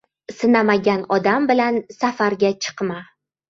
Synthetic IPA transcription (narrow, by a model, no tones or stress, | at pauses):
sɪnamaɡʲanɒd̪ambɪlansafaɾɡʲat͡ʃʰɨ̥qma